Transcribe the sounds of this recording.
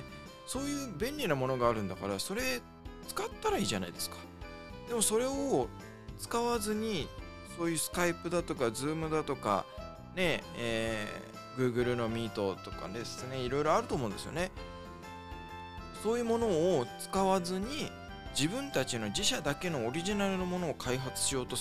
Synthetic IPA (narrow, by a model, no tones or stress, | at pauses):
so̞ːjɯ̟ːbẽ̞nʲɾʲinamo̞no̞ɡaːɾɯ̟̃nd̪akaɾaso̞ɾe̞ | t͡sɨ̥kat̪ːaɾaiːʑana̰id̪e̞sɨ̥kḁ | d̪̥e̞mo̞so̞ɾe̞o | t͡sɨ̥kaβazɨɲ̟i | soːjɯ̟ːsɨ̥kaipɯ̟d̪at̪o̞kazɨːmɯ̟d̪at̪o̞ka̰ | ne̞eː | ɡɯ̟ːɡɯ̟ɾɯ̟no̞mʲiːt̪o̞t̪o̞ka̰d̪e̞sɨne̞iɾo̞jɾo̞aɾɯ̟t̪oːmõ̞nd̪e̞sɨjone̞ | so̞ːjɯ̟ːmo̞no̞ːt͡sɨ̥kaβazɨɲ̟i | d͡ʑibɯ̟̃nt̪at͡ɕino̞d͡ʑiɕad̪ake̞no̞ːɾʲiʑinaɾɯ̟nomo̞no̞ːkʰaiɦat͡sɨ̥ɕijo̞ːt̪o̞